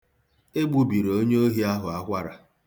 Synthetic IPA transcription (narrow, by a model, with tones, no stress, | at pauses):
e˦ɡ͡bu˦bi˨ɾo˦ɲe˦o˦ɦi˦a˦ɦʊ˨a˦kʷa˦ɾa˨